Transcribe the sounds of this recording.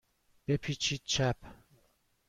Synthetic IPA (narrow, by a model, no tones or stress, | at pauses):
b̥epʰiːt͡ʃʰiːd̪̚t͡ʃʰæp